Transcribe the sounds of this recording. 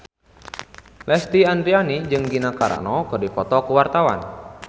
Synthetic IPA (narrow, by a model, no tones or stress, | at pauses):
lɛst̪iand̪ɾianid͡ʒɨŋɡinakaɾa̰nɔkɨrdipɔt̪ɔkuwart̪awa̰n